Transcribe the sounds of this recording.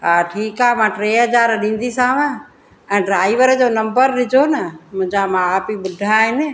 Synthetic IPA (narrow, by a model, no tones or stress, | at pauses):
aʈʰiːkaːmãːʈɾeːɦəd͡ʒaːɾɗĩːn̆d̪isaːʋãː | ɛ̃ːɖɾaːiʋəɾəd͡ʒoːnɐ̃mbəɾɗɪd͡ʒʱoːnəmʊ̃d͡ʒamãaːpiɓʊd̪ʱaɦɪne